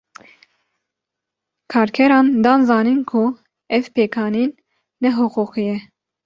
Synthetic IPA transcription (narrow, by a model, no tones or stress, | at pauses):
kʰɑːɾkʲʰɛɾɑːnd̪ɑːnzɑːniːnkʰu | ɛvpeːkʰɑːniːnː | ɛɦuquqijɛ